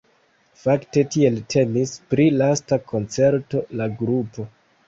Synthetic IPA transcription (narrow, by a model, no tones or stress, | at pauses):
fakte̞tie̞ltʰe̞nispɾilastakʰo̞nt͡se̞ɾto̞laɡɾupo̞